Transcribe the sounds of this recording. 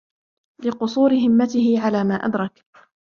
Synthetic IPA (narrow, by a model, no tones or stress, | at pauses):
lɪqʊsˤuːɾɪɦɪmːat̪ɪhɪʕalaːmaːʔa̰d̪ɾˤɑk